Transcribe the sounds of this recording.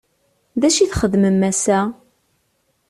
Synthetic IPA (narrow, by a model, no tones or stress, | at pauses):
ðæʃiθχəðməmːæsæ